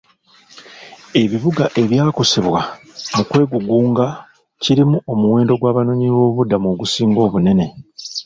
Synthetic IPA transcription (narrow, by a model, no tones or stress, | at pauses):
e̞βiβuɡaʔe̞βjaːkoseβwa | mukwe̞ːɡuɡuːŋɡa | ciɾimuʔo̞muwe̞ːndo̞ɡwaːβanoɲiβo̞ːβudːamoːɡusiːŋɡo̞ːβune̞ne̞